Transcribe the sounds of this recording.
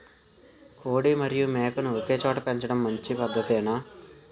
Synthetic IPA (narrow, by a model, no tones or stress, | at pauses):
koːɽimɐɾijumeːkɐnuokeːt͡ʃoːʈɐpeɲt͡ʃɐɽɐmːɐɲt͡ʃipɐd̪ʱːɐt̪ɛːnaː